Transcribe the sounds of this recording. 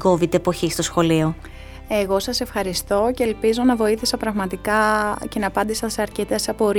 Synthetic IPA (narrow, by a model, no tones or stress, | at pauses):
ɡovit̪epo̞çist̪o̞sxo̞lio̞ | e̞ɣo̞sɐse̞fxɐɾist̪o̞ce̞ːlpizo̞nɐvo̞iθisɐpɾɐɣmɐt̪ikɐce̞nɐːpɐnd̪isɐseɐɾcet̪esɐpo̞ɾ